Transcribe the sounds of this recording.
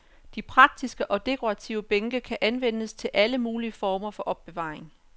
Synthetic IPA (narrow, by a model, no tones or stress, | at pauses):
d̥ipʰʁɑ̈ɡ̥̚d̥isɡ̥əʔɒ̽d̥e̝kʰo̝ʁɑt͡sʰiʊəb̥eŋɡ̥əkʰæʔænʋen̰əst͡sʰe̝lʔæləmuːliəfɒːmɐfɒ̽ʔɒ̽b̥ːe̝ʋɑ̰̈ːʁeŋ